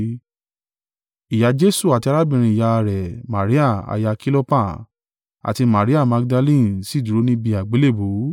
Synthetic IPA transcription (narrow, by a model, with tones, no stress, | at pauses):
i˨ja˨˧d͡ʒe˦su˦˨a˨ti˧a˧ɾa˦bĩ˨ɾ̃ĩ˧i˨ja˧ɾɛ˨ma˨ɾi˨˦a˦˨a̰˨˧ja˧ki˦lo˦pa˦˨ | a̰˨ti˧ma˨ɾi˦a˦˨ma˧ɡ̚da˧lĩ˦˨si˨˦˨du˨ɾo˨˦nĩ˦bi˧a˨ɡ͡be˨˦le˦˨bo˨˦